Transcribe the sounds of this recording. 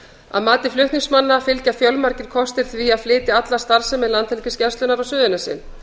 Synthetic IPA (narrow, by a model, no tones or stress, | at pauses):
a̰ðmaːt̪ɪflʏht̪niŋsmanːafɪlcafjœlmaɾcɪɾ̥kʰɔst̪ɪɾ̥θviaðflɪːt̪ɪat̪lḁst̪aɾ̥sɛmɪðlant̪ʰhɛlcɪscɛnst̪lʏnafɾawsʏːðʏnasɪ̰n